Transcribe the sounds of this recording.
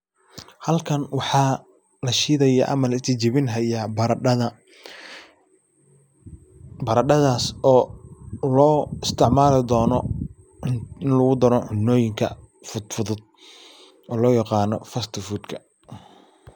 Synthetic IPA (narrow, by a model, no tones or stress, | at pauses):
hɐlkʰɐnwɑħɑː | lɐʃiːðɐjɐʔɐ̰mɐlɪst̪ʰɪt͡ʃɪβɪnɦɐjaːbɐ | bɐɾɐɖɐðaːsɔːlɔːɪst̪ʰɪʕmaːlɪd̪ɔːnɔ | ɪnɪnlɐɣʊd̪ɐɾɔʕʊnːɔːjɪŋkʰɐ̰ | fʊd̪fʊðʊd̪̚ | ʔɔːlɔːjɑqɑːnɔfɐst̪ʰɔfuːd̪kʰɐ